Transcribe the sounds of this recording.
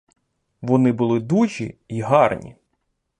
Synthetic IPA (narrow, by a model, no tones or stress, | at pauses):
ʋɔnɪbʊlˠɪd̪uʒʲḭiɦɑrnʲḭ